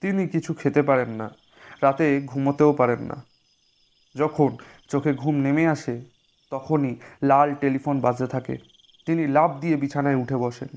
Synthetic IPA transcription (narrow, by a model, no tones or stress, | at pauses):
t̪inikit͡ɕʰukʰet̪epaɾenːa | ɾat̪eɡʱumot̪eopaɾenːa̰ | d͡ʑɔkʰon | t͡ɕokʰeɡʱumnemeaʃe | t̪ɔkʰonilalʈelifonbad͡ʑet̪ʰakḛ | t̪inilab̚d̪ijebit͡ɕʰanaeuʈʰebɔʃḛn